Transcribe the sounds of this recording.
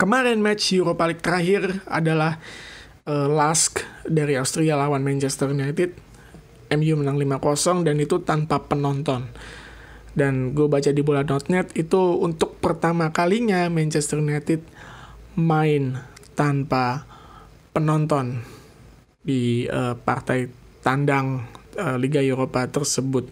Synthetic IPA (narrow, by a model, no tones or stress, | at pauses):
kəmaɾɛnmat͡ʃjuɾopalɪk̚t̪əɾaɦɪra̰dalah | əlaskdaɾiaust̪ɾialawanmant͡ʃɛst̪ərnat̪ɪt̪̚ | ɛmjumənaŋlimakɔsɔŋdanit̪ut̪anpapənɔnt̪ɔn | danɡabat͡ʃadibolanɔt̪̚nɛt̪it̪uunt̪ʊk̚pərt̪amakaliɲamant͡ʃɛst̪ərnat̪ɪt̪̚ | maɪnt̪anpa | pənɔnt̪ɔn | diəpa̰rt̪aj | t̪andaŋəliɡaeɾopat̪ərsəbʊt̪̚